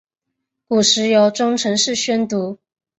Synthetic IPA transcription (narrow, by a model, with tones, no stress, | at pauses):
ku˨˩ʂɻ̩˧˥jo˧˥ʊʈ͡ʂʊ˥ŋʈ͡ʂʰɤ˧˥ŋʂɻ̩˥˩ɕɥɛ˥nt̪u˧˥